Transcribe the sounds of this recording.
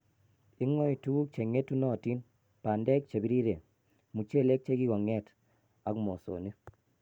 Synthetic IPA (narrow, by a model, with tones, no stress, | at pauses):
i˦ŋɔ˦i˨tu˦ɡu˦k̚t͡ʃe˨ŋe˦tu˦nɔ˦˨ti˦n | pa˨ndɛ˦k̚t͡ʃe˨bi˦ɾi˦ɾe˨ | mu˨t͡ʃe˦˨le˦k̚t͡ʃe˦ɡi˦ɡɔ˨ŋɛ˦t | a˨˦kmo˨so̰˨ni˦